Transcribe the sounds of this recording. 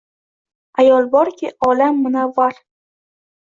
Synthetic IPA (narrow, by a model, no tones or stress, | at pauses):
ajɒlˠbɒɾkʲʰɪʔɒlamːʊnavːaɾ